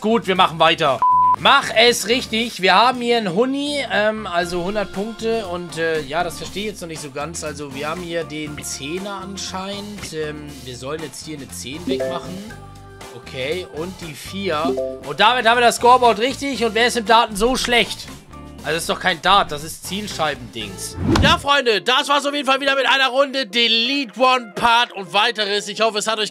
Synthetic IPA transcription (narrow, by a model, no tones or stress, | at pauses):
ɡ̥uːtv̥iːɐmaχn̩vaɪtɐmaχɛsʁɪçtɪçv̥iːɐhaːb̚m̩hiːɐnɦʊniʔɛːmʔalzohʊndɐt̚pʰʊŋk̚təʊntɛːjaːɾasfɛɐʃteːɪçjɛt͡stnɔχnɪçtz̥oːɡant͡sʔalzoviːɐhaːbm̩hiːɐdeːnt͡seːnɐʔanʃaɪntʔɛːm | viːɐzɔlənjɛt͡sthiːɐnət͡seːnvɛkmaχn̩ | ʔokʰeːʔʊnt̚d̥iːfiːɐʔʊnt̚d̥aːmɪthaːmiɐdaskɔːɐbaʊtʁɪçtɪçʊntveːɐɪstɪmd̥aːtn̩zoːʃlɛçt | ʔalzoɪstd̥ɔχkʰaɪndaːt̚d̥as̬ɪstt͡siːlʃaɪbm̩dɪ̰ŋsjaːfʁ̥ɔʏndəd̥asv̥aːɐs̬aʊfjeːdn̩falviːdɐmɪtʔaɪnɐʁʊndədeːliːtwɔnpʰaːtʊntv̥aɪtəʁəsɪçhɔfəɛshatɔʏç